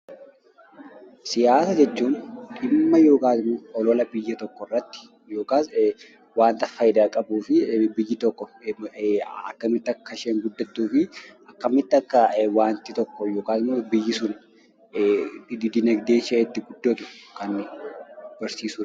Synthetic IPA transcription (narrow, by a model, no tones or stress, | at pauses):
sɪjaːsɐd͡ʒɛt͡ʃːuːnᶑɪmːɐjo̞ːkaːt̪ɪmɔɔlɔlɐbɪjːɐt̪ɔkːɔrːɐt̪ːɪ̥ | jo̞ːkaːs | waːnt̪ɐfaːjɪd̪aːkʼɐbuːfɪbɪjːɪt̪ɔkːɔ | ɐkːɐmɪt̪ːɪɐkːɐʃeːŋɡʊd̪ːɐt̪ːuːfɪʔɐkːɐmɪt̪ːɪɐkːɐwaːnt̪ɪt̪ɔkːɔjoːkaːt̪ɪmɔbɪjːɪsʊn | d̪d̪ɪnɐɡd̪eːʃɛʔɛt̪ːɪɡʊd̪ːɔt̪ʊ̥kɐn | b̥ɐɾsiːsuːɐ